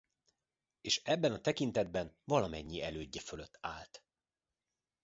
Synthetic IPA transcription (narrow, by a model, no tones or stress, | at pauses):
eːʃɛbːɛnɒt̪ɛkint̪ɛd̪̚bɛnvɒlɒmɛɲːiɛløːɟːɛføløt̪ːaːlt̪